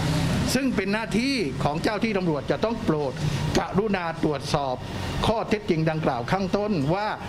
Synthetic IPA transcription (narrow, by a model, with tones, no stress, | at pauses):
sɯ˥˩ŋpe˧nːaː˥˩t̪ʰiː˥˩kʰɔː˩˦ŋt͡ɕaː˥˩wt̪ʰiː˥˩t̪a˧mɾu˨˩ət̪̚t͡ɕa˨˩t̪ɔ˥˩ŋpɾoː˨˩t̪̚ka˨˩ʔɾu˦˥˩naː˧t̪ɾu˨˩ət̪̚sɔː˨˩p̚kʰɔː˥˩t̪ʰe˦˥t̪̚t͡ɕi˧ŋda˧ŋklaː˨˩wkʰaː˥˩ŋt̪o˥˩nwaː˥˩